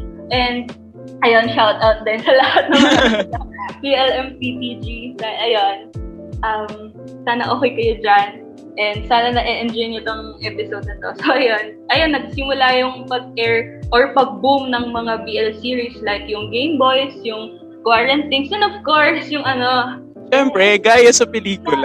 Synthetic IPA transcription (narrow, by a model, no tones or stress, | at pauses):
ʔɛnd̪̚ | ʔɐjo̞nʃawt̪̚ʔawt̪̚d̪aːjɪnsɐlɐhhat̪̚nɐŋmɐɐbiʔɛlʔɛmpit̪id͡ʒisɐɐjonʔɐm | saːnɐʔokejkɐjod͡ʒan | ʔɛnd̪saːnɐnɐʔɛʔɛnd͡ʒojnot̪oŋŋʔɛpɪsowd̪̚ɐnt̪osoʔɐjonʔɐjonːɐɡ̚simʊlajʊŋpɐɡ̚ɛɹʔoɹpɐɡ̚bumnɐŋmɐŋabiʔɛlsiːɹislajkjʊŋɡejmbo̞jsjʊŋ | kwaːɹɐnt̪iŋsɛ̃nov̥koɹsjʊŋɐno̞ | ʃɛmpɾɛɡaːjɐsɐpɛliːkʊl